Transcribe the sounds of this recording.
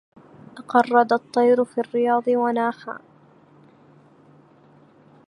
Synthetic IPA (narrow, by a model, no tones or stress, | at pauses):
ʔɑqɑrˤːɑd̪ɑt̪ˤːɑjɾʊfiːrːɪjɑːd̪ˤɨwanaːħa̰ː